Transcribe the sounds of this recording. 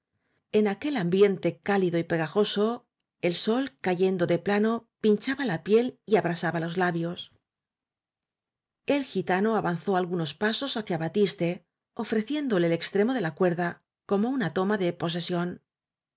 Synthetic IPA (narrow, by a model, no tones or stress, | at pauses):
e̞nake̞lambje̞nt̪e̞kaliðo̞ipe̞ɣaxo̞so̞ | elso̞lkaʝe̞nd̪o̞ðe̞plano̞pint͡ʃaβalapje̞liaβɾasaβalo̞zlaβjo̞s | e̞lxit̪ano̞aβan̟θo̞alɣuno̞spaso̞saθjaβat̪ist̪e̞ | o̞fɾe̞θje̞nd̪o̞leːle̞kst̪ɾe̞mo̞ðe̞lakwe̞ɾða | ko̞mounat̪o̞maðe̞po̞s̬e̞sjo̞n